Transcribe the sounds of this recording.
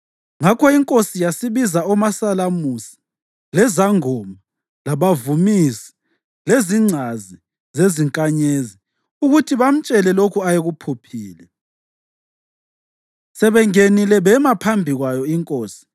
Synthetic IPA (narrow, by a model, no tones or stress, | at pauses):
ŋakʰɔiŋkʼosijasiβizaɔmasalamusi̥ | lɛzaŋɔma | laβavumisi̥ | leziŋ͡ǀʱazi | zeziŋkʼaɲezi | uɣutʰiβam̩t͡ʃʼɛlɛlokʰuajeɣupʰupʰiːlɛ | sɛβɛŋenilɛβɛmapʰambʱiɣwajɔiŋkʼoːsi̥